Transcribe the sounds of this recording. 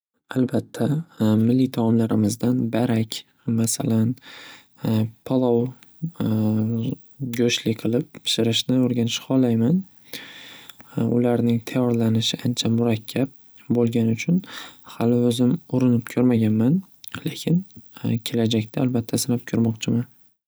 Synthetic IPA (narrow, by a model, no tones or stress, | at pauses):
albat̪ʰːamɪlːit̪ʰamɒmlaɾɪmɪzd̪anbaɾakʲ | masalan | pʰɒlˠɒw | ɡʲoʃlɪqʰɨlˠɪppʰɪ̥ʃɪɾɪʃnɪoɾɡʲanɪʃhɒlajman | ʊ̰laɾnɪŋt̪ʰajɒɾlanɪʃɪʔant͡ʃʰamʊɾakʲʰːap̚ | bolˠɡʲanɪʊt͡ʃʰʊnhalɪɵzɪmʊɾɪnɪp̚kʲʰɵɾmaɡʲanman | lekʲʰɪnkʲʰe̞lad͡ʒakʲt̪ʰaːlbat̪ʰːasɪnap̚kʲʰʊɾmɒqt͡ʃʰɪmɪn